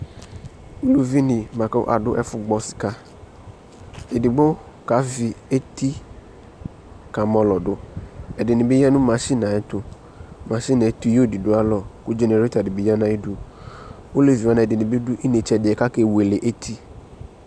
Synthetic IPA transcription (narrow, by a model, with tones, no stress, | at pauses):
u˦lu˨vi˦nɪ̃˨mã˨ka̰˦ʔa̰˨dʊ̰˦ʔɛ˦fʊ˦ɡ͡bɔ˦sɪ̥˨ka˦ | e˨dɪ˨ɡ͡bo˦ | ka˨˦vi˨e˦ti˦ | ka˨mɔ˨lɔ˨dʊ˦ɛ˨dɪ˨nɪ̃˨bɪ˦ja˦nʊ̃˦mã˨ʃi˦nã˨ɛ˦tʊ˦ | mã˨ʃi˦nã˨ɛ˦t̪u˦jo˦˨di˨dʊ˦a˦lɔ˨kʊ˦d͡ʒe˨ne˨ɾe˦ta˨dɪ˨bɪ˨ja˦nã˨e˦du˦ | o˦le˨vi˨wa˨nã˨e˨dɪ˨nɪ̃˨be˦dʊ˦ʔi˦ne˨t͡ʃɛ˨dɪ˨ɛ˨ka˦ke˦˨we˨le˨ʔe˦tʰi˦